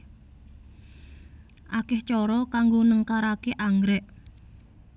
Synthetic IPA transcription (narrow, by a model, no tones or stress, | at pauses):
ʔakɪht͡ʃɔɾɔkaŋɡonəŋkaɾakeʔaŋɡɾɛʔ